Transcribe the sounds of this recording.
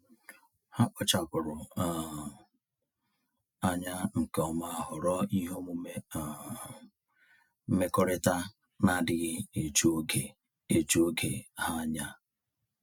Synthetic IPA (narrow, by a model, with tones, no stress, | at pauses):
ha˦ʔɔ˦t͡ʃa˨kʊ˨ɾʊ˨ | a˦ɲa˦ŋ̩˨ke˨ɔ˨ma˦ɦʊ˨ɾɔ˦i˦ɦo˦mu˦e˦˨ | m̩˦me˦kɔ˦ɾɪ˦ta˦ | na˦˨dɪ˦ɣɪ˦e˨t͡ʃu˦o˦ɡe˨ | e˨t͡ʃu˦o˦ɡe˨ha˦ɲa˦